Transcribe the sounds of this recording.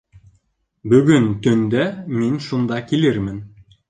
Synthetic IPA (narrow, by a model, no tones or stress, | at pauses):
bɵ̆ɡɵnt̪ɵ̆nd̪æminʃund̪ɑkilɘɾmɘn